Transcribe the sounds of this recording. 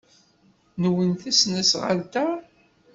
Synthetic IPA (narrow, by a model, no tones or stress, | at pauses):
nəwənθæsnæsʁə̰lt̪æ